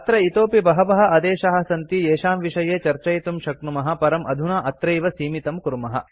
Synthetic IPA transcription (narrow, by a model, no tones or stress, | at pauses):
ɐt̪ɾɐit̪oːpibɐɦɐʋɐɦɐ̆ʔɐd̪eːʃɐɦɐ̆sɐnt̪ieːʃaːmʋiʃɐjeːt͡ʃɐɾt͡ʃɐjt̪umʃɐknumɐɦɐ̆pɐɾɐmʔɐd̪ʱunaːʔɐt̪ɾeːjʋɐsiːmit̪ɐmkuɾmɐɦɐ̰̆